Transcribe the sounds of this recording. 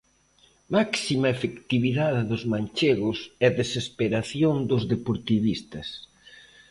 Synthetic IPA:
maksimɐefekt̪iβiðaðɪðʊzmanʲt͡ʃeɣʊsɛðesespeɾaθjoŋd̪ʊzðepoɾt̪iβist̪ɐs

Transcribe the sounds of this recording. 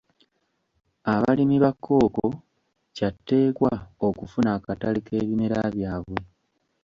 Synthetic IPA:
aβa̰limiβakʰːo̞ːko | catːe̞ːkwao̞kufunaːkatalikʰe̞ːβimeɾaːβjaːβwe

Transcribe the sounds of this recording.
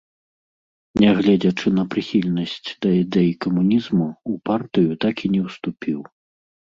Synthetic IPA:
nʲɛɣlʲɛd͡zʲɐt͡ʂɨnɐpɾɨxʲilʲnɐsʲt͡sʲd̪̥ɐid̪ɛjkɐmunʲizmuupart̪ɨjut̪akinʲɛwst̪upʲiw

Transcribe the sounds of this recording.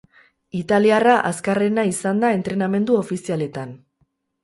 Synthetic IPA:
it̪aliaraʔaskare̞naisand̪ae̞nt̪ɾe̞name̞nd̪uo̞fisiale̞t̪an

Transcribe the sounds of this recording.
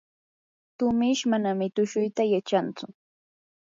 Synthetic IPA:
t̪ʊmɪʃmanamɪt̪ʊʃʊjt̪ajat͡ʃant͡sʊ

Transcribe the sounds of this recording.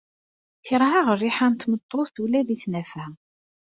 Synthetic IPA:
θəɾˤɦaʁrːiħant̪mət̪ˤːoθθulæðiθnæfæ

